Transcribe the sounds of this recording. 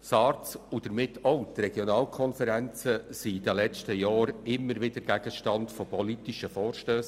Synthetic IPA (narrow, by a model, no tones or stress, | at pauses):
sɑːrt͡sud̥̪əɾmɪtʰːɔʊt̪rɛɡ̥jɔnɑːlkʰɔnfəɾænt͡səsidəlɛt͡stəjɑːɾɪmːəɾʋɪdəɾɡ̥æɡ̥əʃtɑndfopɔlitiʃəfɔːɾʃtøːs